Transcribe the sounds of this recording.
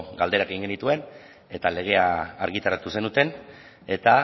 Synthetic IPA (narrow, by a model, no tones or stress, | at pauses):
ɡald̪e̞ɾakeɣiŋɡenit̪ue̞n | e̞t̪ale̞ɣ̞e̞aːɾɣit̪aɾat̪use̞nut̪e̞n | e̞t̪a